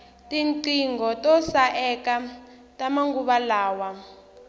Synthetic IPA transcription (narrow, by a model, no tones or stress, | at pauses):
tʼiŋǀiŋɡɔtʼɔsaʔɛka | tʼamaŋɡuɓalaːwa